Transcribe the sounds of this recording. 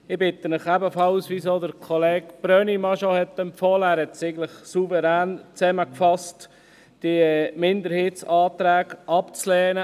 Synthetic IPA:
ɪbɪt̪ːənəχæbəfɑlsʋisod̪əɾkʰɔleːkb̥ɾœnimɑʃohɛt̪ːɛmpfɔːlæːɾhɛt̪seɪɡn̩ləχsuvəɾæːnt͡sɛməkfɑst | d̥imɪnd̪əɾheːtsɑːt̪ɾæːɡʔɑpt͡slɛːnə

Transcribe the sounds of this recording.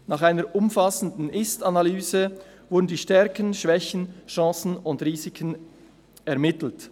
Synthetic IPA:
nɑːχaɪnəɹʔʊmfasən̩dn̩ɪstanalyːzə | vʊdn̩diːʃtɛɾkənʃv̥ɛçn̩ʃɑ̃ːsn̩ʊndʁiːzɪkʰən | ɛɐmɪtl̩t

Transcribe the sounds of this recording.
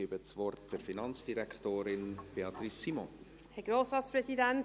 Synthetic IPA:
ibəsvɔrtd̥ɛɾfinɑnt͡sd̥iɾɛktoːɾɪnb̥eɑtrisːimɔ̃ | hɛɡɾoːsɾɑːtsprɛsidɛnt

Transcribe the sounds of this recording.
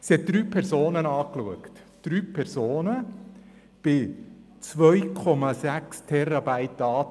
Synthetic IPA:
siɛt̪̚d̥ɾyːpʰɛɾzoːnənɑːkluəktd̥ɾyːpʰɛɾzoːnə | b̥ɪ | t͡sʋœjkʰɔmɑsækst̪ʰɛɾɑbæɪtːɑː

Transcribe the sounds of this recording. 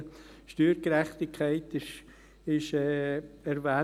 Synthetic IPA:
ʃtyːɾɡɾæχt̪ɪkʰχæɪtɪʃ | ɪʃɛːɛɾvæː

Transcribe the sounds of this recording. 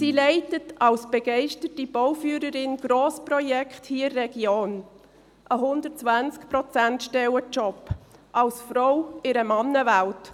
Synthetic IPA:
siːlɛɪtətɑlsb̥əɡ̥ɛɪʃtətib̥ɔwfyːɾəɾɪnɡ̥ɾoːsprɔjɛkχthiːɪrːɛɡ̥joːn | ʔəɦʊndətt͡svænt͡skprɔt͡sæntʃtɛwət͡ʃɔpːʔɑlsfrɔʊɪɾəmɑnːəvælt

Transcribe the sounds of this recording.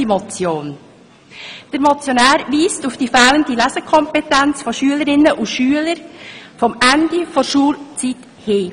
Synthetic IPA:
imɔt͡sjoːn | d̥əɾmɔt͡sjonæːɾʋiːstufd̥iːfæləndilæsəkʰɔmpɛtænt͡sfɔʃyələɾɪnːəʔuʃyːələɾfɔmændifɔɾʃuːlt͡sit | heː

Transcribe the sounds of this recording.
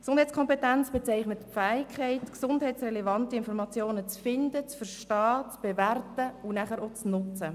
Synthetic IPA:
ksʊnd̥hɛɪt͡skʰɔmpetɛnt͡sb̥et͡sɛɪχnətpfæːɪkʰɛɪtksʊndɦɛɪtt͡ssrɛlevɑntiɪnfɔɾmɑt͡sjoːnət͡sfɪndət͡sfəɾʃtɑːt͡sb̥eværtəʊnæχəɾot͡snʊt͡sə

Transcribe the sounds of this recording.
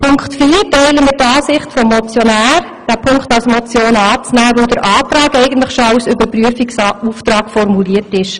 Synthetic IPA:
pʰʊŋkχtfiːɾtɛɪləmɪtɑːsɪχtfɔmːɔt͡sjɔnæːɾ | d̥æːpʰʊŋkχtɑlsmɔt͡sjoːnɑːt͡snæːʋodəɾʔɑːt̪ɾɑːkɛɪɡən̩tləχʃoɑʊsʏbəɾpryəfiksuːft̪ɾɑːkfɔrmuliətɪʃ

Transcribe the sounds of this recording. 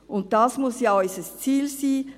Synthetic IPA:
ʔʊnt̚d̥ɑsmʊsjasəst͡siːlsiː

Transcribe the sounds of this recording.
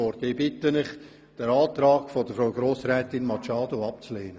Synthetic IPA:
ɔɾtɪbɪtənɪχ | d̥ɛɾɑːt̪ɾɑːɡ̥fɔd̥əfɾawɡɾoːsɾɛːtɪnmɑt͡ʃɑːd̪oɑpt͡sleːnə

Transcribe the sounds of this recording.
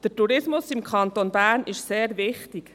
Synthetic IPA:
d̥ətuɾɪsmʊsɪmkʰχɑnt̪onbæːɾnɪʃseːɾʋɪχt̪ik

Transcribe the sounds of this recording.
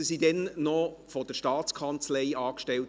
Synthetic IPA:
əsidɛnːɔfɔdəʃtɑːt͡skʰɑnt͡sleɪɑːkʃtɛlt

